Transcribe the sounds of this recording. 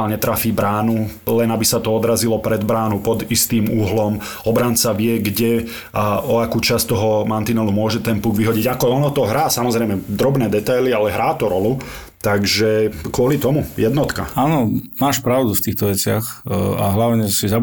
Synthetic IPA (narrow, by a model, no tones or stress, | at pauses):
lɲɛt̪ɾafiːbɾaːnulɛnabisat̪ɔɔd̪ɾazilɔpɾɛd̪bɾaːnupɔd̪ist̪iːmuɦlɔm | ɔbɾant͡saʋɪɛɡɟɛ | aʔɔakuːt͡ʃast̪ɔɦɔmant̪inɛlumʊɔʒɛt̪ɛnpuɡʋiɦɔɟiɟakɔɔnɔt̪ɔɦɾaːsamɔzɾɛɪmɛd̪ɾɔbnɛːd̪ɛt̪ajlialɛɦɾʔaːt̪ɔɾɔlu | t̪aɡʒɛkʊɔlit̪ɔmujɛd̪nɔt̪ka̰aːnɔmaːʃpɾaʊd̪uft̪iːxt̪ɔʋɛt͡sɪaxa̰ɦlaʊɲɛsiza